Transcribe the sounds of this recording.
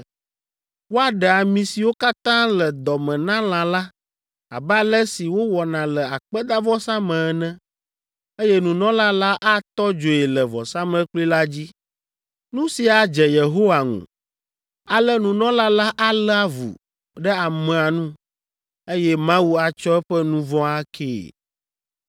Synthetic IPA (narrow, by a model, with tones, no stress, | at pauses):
wo˦a˦ɖɛ˨a˨mĩ˨si˨wo˦ka˦t̪ã˦lɛ˨d̪ɔ˨mɛ̃˨nã˦l̃ã˨la˦ | a̰˨ba˦lɛ˦si˨wo˦wɔ˨nã˨lɛ˨a˨k͡pɛ˦d̪a˦vɔ˦sa˦mɛ̃˨˦nɛ̃˦ | e˦jɛ˦nũ˨nɔ̃˦la˦la˦ʔa˦t̪ɔ˦d͡ʒo˨e˨lɛ˨vɔ̰˨sã˦mɛ̃˦k͡pli˦la˦d͡ʑi˦ | nũ˦si˨a˨d͡ʒɛ˨je˨ɦo˦wa˨ŋṵ̃˨ | a˨lɛ˦nũ˨nɔ̃˦la˦la˦ʔa˦lɛ˦a˦vṵ˨ | ɖɛ˦a˨mɛ̃˨a˨nũ˦ | e˦jɛ˦mã˦wu˦a˨t͡ʃɔ˦ɛ˦ɸɛ˦nũ˦vɔ̃˦a˦kʰḛː˦˨